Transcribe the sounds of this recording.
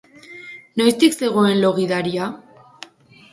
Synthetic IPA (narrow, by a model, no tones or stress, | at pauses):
nojst̪ikse̞ɣoe̞nlo̞ɣiðaɾia